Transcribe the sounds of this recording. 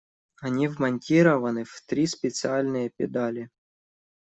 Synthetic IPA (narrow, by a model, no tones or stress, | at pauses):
ɐnʲivmɐnʲtʲiɾɐvɐnɨvt̪ɾʲispʲɪt̪sɨalʲnɨjəpʲɪ̰d̪alʲɪ